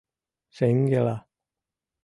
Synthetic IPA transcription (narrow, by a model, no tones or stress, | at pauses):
seŋɡela